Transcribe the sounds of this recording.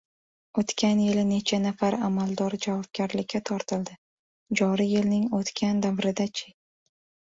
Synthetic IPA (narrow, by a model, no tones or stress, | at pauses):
ot̪kʲʰanjɪlɪne̞t͡ʃʰanafaɾamalˠd̪ɒɾd͡ʒavɒb̚ɡʲaɾlɪkʲːat̪ʰɒɾt̪ʰɪld̪ɪ | d͡ʒɒɾijɪlnɪŋot̪kʲʰand̪avɾɪd̪at͡ʃʲʰɪ